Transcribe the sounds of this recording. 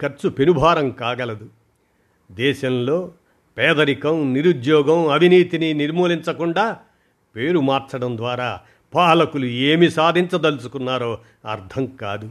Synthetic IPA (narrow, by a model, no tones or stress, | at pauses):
kɐɾt͡ʃupenubʱaːɾɐmkaːɡɐlɐd̪u | d̪ɛːʃɐmlo̞ː | pɛːd̪ɐɾikɐmniɾud̪jɔːɡɐmɐʋʱiniːt̪ininiɾmoːliɲt͡ʃɐkuɳɖaː | pe̞ːɾumaːɾt͡ʃɐɽɐnd̪ʋaːɾaː | paːlɐkulueːmisaːd̪ʱiɲt͡ʃɐd̪ɐlusu̥kunːaːɾoː | ɐɾt̪ʰɐmkaːd̪u